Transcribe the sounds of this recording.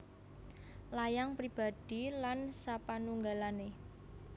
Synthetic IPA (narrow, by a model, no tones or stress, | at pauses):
lajaŋpɾib̥a̤d̥i̤lansapanuŋɡalane